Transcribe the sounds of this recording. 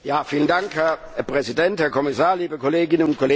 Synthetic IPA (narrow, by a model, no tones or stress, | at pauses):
jaːfiːlənd̥aŋkhɛɐ | pʁ̥ɛzidɛnthɛɐkʰɔmɪsaːɐliːbəkʰoleːɡɪnənʊntkʰoleː